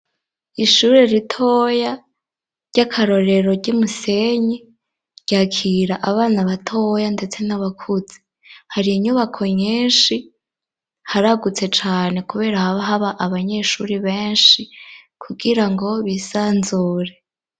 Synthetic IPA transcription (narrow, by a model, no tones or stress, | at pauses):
iʃuɾeɾitʰoja | ɾɟ̥akʰaɾo̞ɾe̞ɾo̞ɟimuse̞ɲe | ɾɟ̥akʰiɾaʔaβaːnaβatʰojande̞t͡se̞naβakʰuz̥e̥ | haɾiiɲuβakʰo̞ɲiːnʃi | haɾaɡut͡se̞t͡ʃaːne̞kuβe̞ːɾahaβaɦaβaʔaβaɲe̞ʃuɾiβeːnʃi | kʰuɡiɾaŋɡo̞βisaːnzuːɾe̞